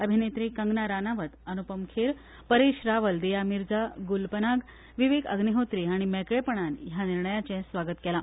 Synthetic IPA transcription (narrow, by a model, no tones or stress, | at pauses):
əbʱinet̪ɾiːkəŋɡnaɾanaʋət̪ənupəmkʰeɾ | pəɾeɕɾaʋəld̪ijamiɾd͡zaɡulpənaɡ | ʋiʋekə̰ɡniɦot̪ɾiaɽ̃imɛkɭepəɳ̃anjaniɾɳəjat͡ɕɛ̃sʋaɡət̪kɛla